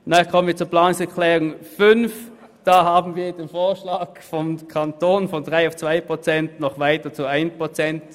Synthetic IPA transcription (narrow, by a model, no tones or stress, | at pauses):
nakʰɔmənviːɐt͡suːɐplaːnʊŋsɛɐklɛːʁʊŋfʏnf | d̥aːhaːbn̩viːɐd̥eːnfoːɐʃlaːkfɔmkʰantoːnfɔndʁaɪaʊft͡sv̥aɪpʁ̥ot͡sɛntnɔχvaɪtɐt͡suaɪnpʁ̥ot͡sɛnt